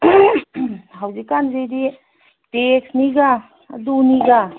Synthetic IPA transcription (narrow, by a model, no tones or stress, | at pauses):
ɦawzikanzejdi | teksniɡa̰ː | duniɡa